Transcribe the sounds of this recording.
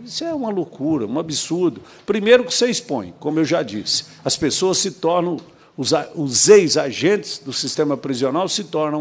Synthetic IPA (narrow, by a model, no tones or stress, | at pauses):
isʊɛũmɐlokuɾɐũabisuɾd̪ʊ | pɾimejɾʊkɪ̥seispõ̰j̃kõmʊewʒad͡ʒḭsɪ̥ | ɐspesoɐsɪt̪ɔɾnɐ̃w̃ | ʊzaʊzejzaʒẽt͡ʃɪ̥zd̪ʊsist̪ẽmɐpɾizionawsɪt̪ɔɾnɐ̃